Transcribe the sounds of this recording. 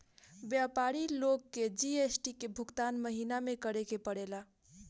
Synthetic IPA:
bjapaɾilokːed͡ʒiesʈikebʱukt̪anməɦinamekəɽekepəɽela

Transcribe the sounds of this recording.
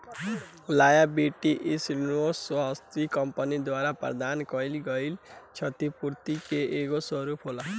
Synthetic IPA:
lajabiʈiʔisnoswʌɦʌst̪ikʌmpənid̪waɾaprʌ̰d̪ankʌilɡʌjlt͡ʃʰʌt̪ipuɾt̪ikeʔeɡosʌɾupʰɦola

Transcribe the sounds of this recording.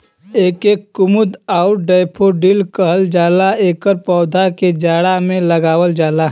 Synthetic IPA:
eːkeːkːʊmʊd̪aʊɾɖaːɪpʰoɖilkəɦəld͡ʒaːlaeːkəɾpɔːd̪ʱaked͡ʒaːɽamẽləɡaːwəld͡ʒaːla

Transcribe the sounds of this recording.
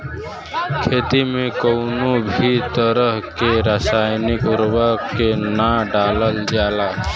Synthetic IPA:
kʰeːt̪imẽkoʊnobʱit̪əɾəɦkeɾəsaːjnɪkɾəbʱakenaɖaːləld͡ʒaːla

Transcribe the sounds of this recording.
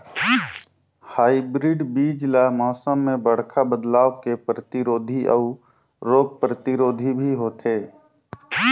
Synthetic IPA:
haːibɾiɖbiːd͡ʒlamɔːsəmːẽbəɽ̤kʰabəd̪laːʋkepɾət̪iɾoːd̪ʱiʔɔ̰ | ɾoːɡ̚pɾət̪iɾoːd̪ʱibʱiɦoːt̪ʰeː

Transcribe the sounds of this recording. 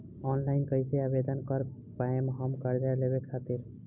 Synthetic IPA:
ɔnlainkəɦseabed̪ənkəɾ | paemɦəmkəɾd͡ʒaleβekʰat̪iɾ

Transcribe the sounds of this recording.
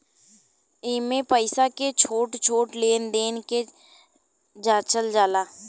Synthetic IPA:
ɪmẽpəɪsaket͡ʃʰoːʈt͡ʃʰoːʈleːnd̪eːnke | d͡ʒaːt͡ʃəld͡ʒaːlaː

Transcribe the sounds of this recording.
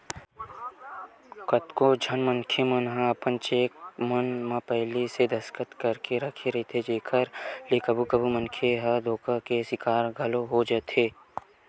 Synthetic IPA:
kət̪kod͡ʒʱənmə̃nkʰemənɦãɐpənt͡ʃeːk̚mənmãpɛɦlised̪ʱɐskət̪kɐɾkeɾɐkʰeɾəɦet̪ʰed͡ʒeːkʰəɾleːkəbʱukəbʱuməŋkʰeɦɐd̪ʱoːkakesɪkaːɾɡʱɐloɦod͡ʒɐt̪eː

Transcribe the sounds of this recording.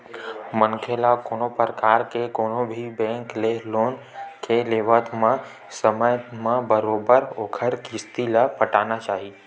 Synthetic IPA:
mənkʰelakoːnopəɾəkaːɾkekoːnõbʱibɛ̃ːŋkleloːn | keleːʋət̪mã | səməjəmãbəɾoːbəɾoːkʰəɾkɪst̪ilapəʈaːnat͡ʃaːɦiː

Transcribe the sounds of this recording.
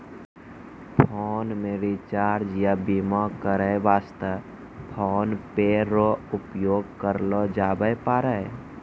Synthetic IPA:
pʰoːnmẽɾit͡ʃaːɾd͡ʒjabimɔkəɾəjʋaːst̪ə | pʰoːnpeɾoʊpjoːɡ̚kəɾlod͡ʒaːbəjpaːɾə

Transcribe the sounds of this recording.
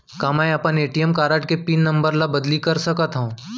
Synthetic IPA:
kaːmɛ̃ːɐpəneːʈijəmkaːɾəʈkepiːnːɐ̃mbəɾlabɐd̪likɐɾsɐkat̪ɦũː

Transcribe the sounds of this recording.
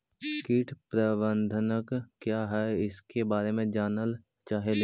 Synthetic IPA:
kiːʈʰpɾəbə̃nd̪ʱənəkkːjaːɦɛɪskebaːɾemẽd͡ʒaːnəl | t͡ʃaːɦele

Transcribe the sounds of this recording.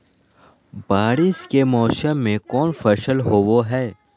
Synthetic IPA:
baːɽiskemɔːsəmːẽkɔːnfɐʃəlɦowoɦɛː

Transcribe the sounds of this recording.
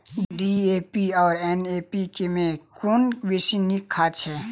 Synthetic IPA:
ɖiepiɔːɾɛneːpikemẽkoːnʋesinikʰaːt͡ʃʰɛː

